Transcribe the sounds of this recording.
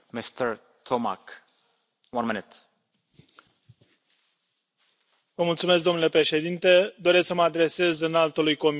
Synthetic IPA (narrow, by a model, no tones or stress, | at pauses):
mist̪əɾ | t̪ʰoma̰k | wãnminɪt̪ | vəmult̪sumes̬kd̪o̞mnule̞pɾe̞ʃe̞d̪int̪e̞d̪o̞ɾe̞sksəməad̪ɾe̞se̞zɨnalt̪olujko̞m